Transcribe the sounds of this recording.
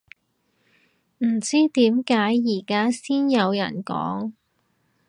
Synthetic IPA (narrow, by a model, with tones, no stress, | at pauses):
m̩˨˩t͡siː˥t̪iː˨˥mkaː˨˥jːiː˨˩kaː˥siː˥njɐ˨˧wjɐ̰˨˩nkɔ̰ː˨˥ŋ